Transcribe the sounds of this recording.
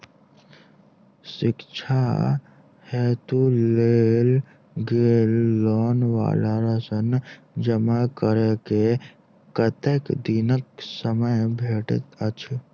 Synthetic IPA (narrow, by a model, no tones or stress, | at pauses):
sɪkt͡ʃʰa̰ | hɛːt̪ulel | ɡelːɔːnʋa̰ːlaɾəsən | d͡ʒəmakəɾeke | kət̪eːkd̪inəksəməjbʱeːʈə̰t̪ət͡ʃʰ